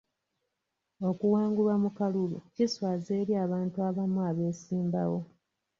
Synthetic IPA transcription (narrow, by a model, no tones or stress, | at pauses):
o̞kuwaːŋɡulwamukaluluciswazeːɾjaːβaːntuaβamuaβe̞ːsiːmba̰wo̞